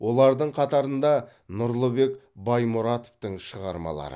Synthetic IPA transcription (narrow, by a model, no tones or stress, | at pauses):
wʔo̞lˠɑɾd̪əɴqʰɑt̪ɑɾənd̪ɑ | nʊɾlˠəbe̞kbɑjmʊɾɑt̪ovt̪əɴʃəʁɑɾmɑ̰lˠɑ̰ɾə̰